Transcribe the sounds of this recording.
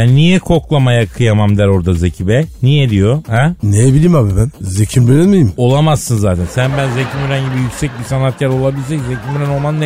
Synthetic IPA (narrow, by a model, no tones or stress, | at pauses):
bænːijɛkʰo̞klˠamajakʰɯjamamd̪æɾo̞ɾd̪azecʰibɛnijɛd̪ijo̞hɛnejɛbilʲimabibænzecʰimbyɾɛnmijimo̞lˠamassɯnzaːt̪ʰænsænbænzecʰimyɾænɟibijycʲsɛc̚bisanat̪̚cʰaɾo̞lˠabilʲs̬ɛczecʰimyɾæno̞lˠmanːe